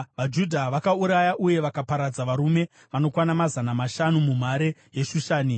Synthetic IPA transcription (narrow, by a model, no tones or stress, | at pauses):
ʋad͡ʒudʱaʋakauɾajaʔuje̞ʋakapaɾad͡zaʋaɾume̞ | ʋano̞kwanamazanamaʃanumum̤aɾeje̞ʃuʃaːni